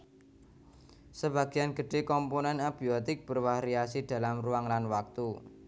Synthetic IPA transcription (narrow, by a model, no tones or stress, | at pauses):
səb̥a̤ɡ̥ianɡ̥əɖ̥ekɔmponɛnab̥iot̪ɪk̚b̥ərwaɾiasid̪̥a̤lamruaŋlanwak̚t̪u